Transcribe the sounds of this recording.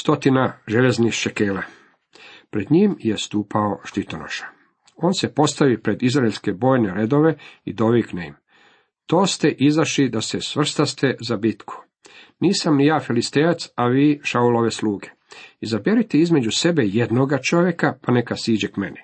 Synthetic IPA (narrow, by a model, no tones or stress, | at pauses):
st̪o̞t̪inaʒeʎeznixʃekeːla | pɾe̞d̪ɲimjest̪uːpʰao̞ʃt̪it̪o̞no̰ʃḁ | o̞ːnsepo̞st̪aʋipɾe̞d̪izɾaeʎʲske̞bo̞ːjne̞ɾed̪o̞ʋe̞ḭd̪o̞ʋikneḭm | t̪o̞ːst̪eʔizaʃlid̪asesʋr̩st̪ast̪e̞zabit̪kʰu̥ | niːsamnijaːfilist̪ejat̪saʋiːʃauloʋesluːɡe̞ | izabjeɾit̪eizme̞d͡ʒuse̞be̞je̞d̪noɡat͡ʃo̞ʋje̞kapane̞kasiːd͡ʑekme̞ni